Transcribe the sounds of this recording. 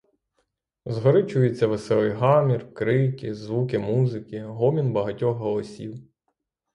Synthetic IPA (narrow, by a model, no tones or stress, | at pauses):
zɦɔɾɪt͡ʃʊjet͡sʲːɐʋesɛlˠɪjɦɑmʲirkɾɪkʲɪzʋuk̬ɪmuzɪkɪɦɔmʲinbɐɦɐtʲɔxɦɔlˠɔsʲḭw